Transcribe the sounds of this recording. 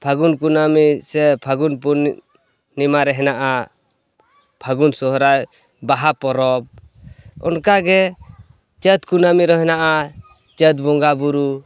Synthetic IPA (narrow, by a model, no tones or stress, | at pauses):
pʰaɡunkunamisɛpʰaɡunpun | nimaɾɛɦɛnaʔa | pʰaɡunsɔɦɔɾaj | baɦapɔɾɔp̚ | ɔ̰nkaɡɛ | t͡ʃət̪kunamiɾɔɦɛnaʔa | t͡ʃət̪̚bɔŋɡabuɾu